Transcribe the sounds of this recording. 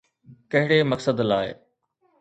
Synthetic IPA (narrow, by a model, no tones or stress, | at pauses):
kɐɦɪɽemɐksəd̪laːḛ